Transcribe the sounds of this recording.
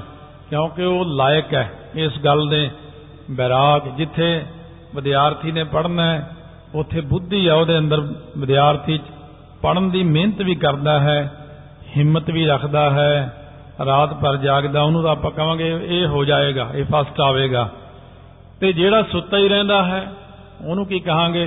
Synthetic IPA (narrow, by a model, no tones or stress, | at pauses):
kjõːkɪoːlaːjkɛː | ɪsɡəld̪ẽː | bɛːɾaːkd͡ʒɪt̪ʰːeː | ʋɪd̪jaːɾt̪ʰiːnẽːpəɽnaːɦɛː | ʊt̪ʰːeːbʊd̪ːiːɛːoːd̪eːə̃nd̪əɾʋəd̪jaːɾt̪ʰiːt͡ʃ | pəɽənd̪iːmɪ̃nət̪ʋiːkəɾd̪aːɦɛː | hɪmːət̪ʋiːɾəkʰd̪aːɦɛː | ɾaːt̪pəɾd͡ʒaːɡd̪aːʊnũːt̪ãːpə̃ːkəʋãːɡeːeːɦoːd͡ʒaːeːɡaːʔeːpʰasʈaːʋeːɡaː | t̪eːd͡ʒeːɽaːsʊt̪ːaːiːɾɛ̃ːnd̪aːɦɛː | oːnũːkiːkəɦãːɡeː